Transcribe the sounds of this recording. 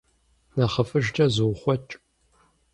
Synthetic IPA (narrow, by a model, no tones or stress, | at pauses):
nɐχɐfɨʒd͡ʒʼɐzɨwχʷɔt͡ʃʼ